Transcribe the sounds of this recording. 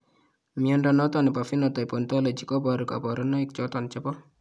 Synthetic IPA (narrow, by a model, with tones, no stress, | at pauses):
miɔndɔnɔ˦t̪ɔ˨nɪ˨pa˨fi˦nɔt̪ɔ˨i˨pɔ˨nt̪ɔ˦lɔ˨d͡ʒi˨kɔ˦bɔ˨ɾka̰˨bɔ˨ɾɔ˦nɔ˦i˦k̚t͡ʃɔ˦t̪ɔ˨nt͡ʃɛ˦pɔ˦